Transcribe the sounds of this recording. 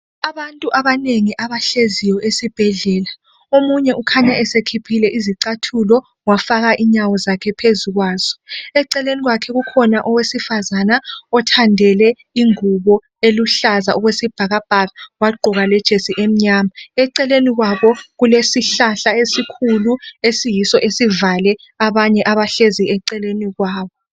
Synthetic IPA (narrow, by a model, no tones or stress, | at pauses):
aβantʼuʔaβaneŋiʔaβaɬezijɔesib̥ʱɛɮɛːla | omuɲɛukʰaɲaʔɛsekʰipʰilɛʔiziǀatʰulɔ | wafaɣaʔiɲawɔzakʰɛpʰezuɣwaːz̥ɔ̥ɛǀɛleniɣwakʰɛɣukʰɔnaʔɔwesifazanaɔtʰandʱɛlɛ | iŋuβɔ | eluɬazaɔɣwesib̥ʱaɣab̥ʱaɣawaɡ͡ǃʱɔɣalɛd̥ʒ̥ʱesiʔem̩ɲaːmaɛǀɛleniɣwaβɔɣulesiɬaɬaesikʰuluesijisɔʔesivalɛ | aβaɲɛʔaβaɬeziɛǀɛleniɣwaːβɔ